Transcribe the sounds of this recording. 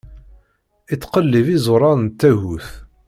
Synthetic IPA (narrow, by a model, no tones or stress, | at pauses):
it͡sːqəlːivizʊɾˤɑɾnt̪ːæɦuθ